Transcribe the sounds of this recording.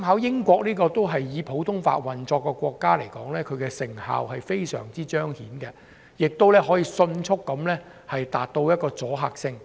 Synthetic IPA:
mhaː˨˥wjɪ˥ŋkʷɔː˧k̚niː˥kɔː˧t̪o˥wɦɐ˨jːiː˨˧pʰo˨˥wt̪ʰʊ˥ŋfa̰ː˧t̚wɐ˨nt͡sɔː˧kːɛ˧kʷɔː˧kːaː˥le˨˩jkɔː˨˥ŋlɛː˥kʰɵ˨˧ɥkɛ˧sɪ˨˩ŋha̰ː˨whɐ˨jfe˥jsœ̰ː˨˩ŋt͡siː˥t͡ʃœː˥ŋhiː˨˥nkɛ˧ | jɪ˨k̚t̪o˥wlɛː˥ɦɔː˨˥jiː˧sɵ˧nt͡sʰʊ˥kːɐ˨˥mlɛː˥ | hɐ˨jt̪aː˨t̚t̪o˧wjɐ˥t̚kɔː˧t͡sɔː˨˥ɦaː˧k̚sɪ˥ŋ

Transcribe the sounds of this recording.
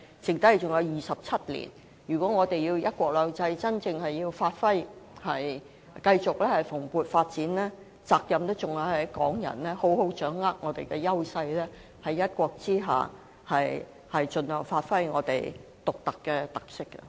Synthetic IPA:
t͡sɪ˨ŋt̪ɐ˥hɐ˨˩jt͡sʊ˨ŋjɐ˨˧wjiː˨sɐ˨p̚t͡sʰɐ˥t̚lḭː˨˩n | jyː˨˩kʷɔː˨˥ŋɔː˨˧t̪e˨jiː˧wjɐ˥t̚kʷɔː˧k̚lœː˨˧wt͡sɐ˧jt͡sɐ˥nt͡sɪ˧ŋhɐ˨jːiː˧wfaː˧t̚fɐ˥jhɐ˨j | kɐ˧jt͡sʊ˨k̚lɛː˥hɐ˨jfʊ˨˩ŋpuː˨˩t̚faː˧t̚t͡siː˨˥nlɛː˥ | t͡saː˧k̚jɐ˨mt̪ʊ˥t͡ʃʊ˨ŋjɐ˨˧whɐ˨˥kɔ̰ː˨˥ŋjɐ̰˨˩nlɛː˥ho˨˥who˨˥wt͡ʃœː˨˥ŋːaː˥k̚ŋɔː˨˧t̪ḛ˨jkɛ˧jɐ˥wsɐ˧jlɛː˥ | hɐ˨jːɐ˥t̚kʷɔː˧k̚t͡siː˥ɦa̰ː˨ | hɐ˨j | hɐ˨jt͡ʃɵ˨nhœː˨˩ŋfaː˧t̚fɐ˥jŋɔ̰ː˨˧t̪ḛ˨˩j | t̪ʊ˨k̚t̪ɐ˨kːɛː˧t̪ɐ˨k̚sɪ˥kːɐ̰˧

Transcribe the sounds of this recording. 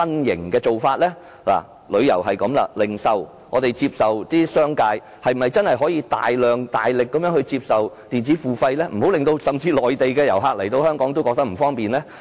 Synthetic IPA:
ɐ˥njɪ̰˨˩ŋkɛː˧t͡so˨wfaː˧t̚lɛː˥ | la̰ː˨˩ | lɵ˨˧ɥjɐ̰˨˩wɦɐ˨jkɐ˨˥mlɐ̰˧lɪ˨˩ŋsɐ˨w | ŋɔː˨˧t̪e˨jt͡siː˧p̚sɐ˨wt̪iː˥sœː˥ŋkaː˧j | hɐ˨jm̩˩ɐ˨jt͡sɐ˥nhɐ˨jɦɔː˨˥jiː˧t̪a̰ː˨jlœː˨ŋt̪a̰ː˨jlɪ˨kːɐ˨˥mjœː˥ŋhɵ˧ɥt͡siː˧p̚sɐ˨wt̪iː˨˩nt͡si˨˥fuː˨˩fɐ˧jlɛː˥m̩˨˩o˨˥wlɪ˨ŋt̪o˧wsɐ˨˩mt͡siː˧lɔː˨jt̪e˨jkɛː˧jɐ˨˩wɦaː˧k̚lɐ˨˩jt̪o˧whœː˥ŋkɔː˨˥ŋt̪o˥wkɔː˧k̚t̪ɐ˥m̩˨˩fɔː˥ŋpiː˨nlɛː˥

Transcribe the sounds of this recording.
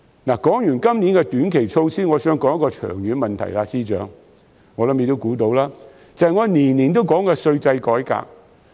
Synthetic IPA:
naː˨˩kɔː˨˥ŋjyː˨˩nkɐ˥mniː˨˥nkɛ˧t̪yː˨˥nkʰe˨˩jt͡sʰo˧wsiː˥ŋɔː˨˧sœː˨˥ŋkɔː˨˥ŋjkɔː˧t͡ʃʰœ̰ː˨˩ŋjyː˨˧nmɐ˨nt̪ʰɐ̰˨˩jlaː˧siː˥t͡ʃœː˨˥ŋ | ŋɔː˨˧lɐ˨˦˥mje˨˧t̪o˥wkuː˨˥t̪o˧wlaː˥ | t͡sɐ˨hɐ˨jŋɔː˨˧niː˨˩nliː˨˩nt̪̬o˥wkɔː˨˥ŋkɛː˧sɵ˧ɥt͡sɐ˧jkɔː˨˥jka̰ː˧k̚

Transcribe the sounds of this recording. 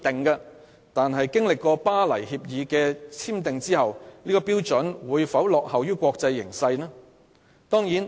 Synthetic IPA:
t̪ɪ˨ŋkɐː˧ | t̪aː˨nɦɐ˨jkɪ˥ŋlɪ˨kːɔː˧paː˥lɐ̰˨˩jhiː˧p̚jiː˨˧kɛː˧t͡sʰiː˥mt̪ɪ˨ŋt͡siː˥hɐ˨wniː˥kɔː˧piː˥wt͡sɵ˨˥nwuː˨˧jfɐ˨˥wlɔː˨k̚hɐ˨wjyː˥kʷɔː˧k̚t͡sɐ˧jːɪ̰˨˩ŋsɐ˧jnaː˥ | t̪ɔː˥ŋjiː˨˥n

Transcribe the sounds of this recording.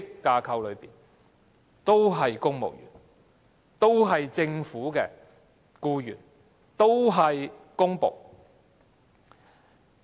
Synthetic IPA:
kkːaː˧kʰɐ˧wlɵ˨˧ɥpiː˨n | t̪o˥wɦɐ˨jkʊ˥ŋmo̰˨˩wjy̰ː˨˩n | t̪o˥wɦɐ˨jt͡sɪ˧ŋfuː˨˥kɛː˧ | kuː˧jy̰ː˨˩n | t̪o˥wɦɐ˨jkʊ˥ŋpo˨w

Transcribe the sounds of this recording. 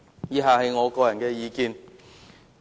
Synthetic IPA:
jiː˨˧ɦaː˨˧hɐ˨jŋɔː˨˧kɔː˧jɐ˨˩nkɛː˧jiː˨˧kiː˨˧n

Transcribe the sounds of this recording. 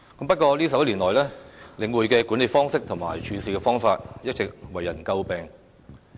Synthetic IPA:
kɐ˨˥mpɐ˥t̚kɔː˧liː˥sɐ˨p̚jɐ˥liː˨˩nlɔː˨˩jlɛː˥lɪ˨˧ŋwuː˨jkɛː˧kuː˨˥nle˨˧fɔː˥ŋsɪ˥k̚t̪ʰʊ˨˩ŋma̰ː˨˩jt͡ʃʰyː˨˥siː˨kɛː˧fɔː˥ŋfaː˧t̚jɐ˥t̚t͡sɪ˨k̚wɐ˨˩jːɐ˨˩nkɐ˧wpɛː˨ŋ

